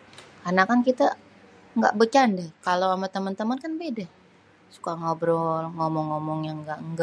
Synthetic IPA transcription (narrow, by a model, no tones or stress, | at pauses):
karnakankit̪a | ŋɡa̰ʔbət͡ʃandɛkalowamat̪əmənt̪əmənkanbedɛh | su̥kaŋobɾɔlŋomɔŋːomɔŋjaŋŋɡaʔŋɡa